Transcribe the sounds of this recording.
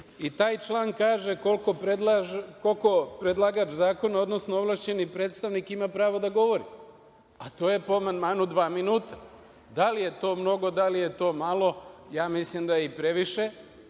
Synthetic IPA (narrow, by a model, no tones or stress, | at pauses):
it̪aːjt͡ʃlˠaːŋkaːʒeko̞lkopɾed̪akolkopɾed̪lˠaɡat͡ʃzaːko̞naod̪no̞snooʋlˠaʃt͡ɕe̞nipɾeːt̪st̪aʋnikimapɾaːʋo̞d̪aɡo̞ʋo̞ɾi | at̪o̞ːje̞poamand̪maːnud̪ʋaːminuːt̪ḁ | d̪alije̞t̪o̞ːmno̞ɡo̞d̪alije̞t̪o̞ːmalˠo̞jaːmislimd̪ajeipɾe̞ʋiʃe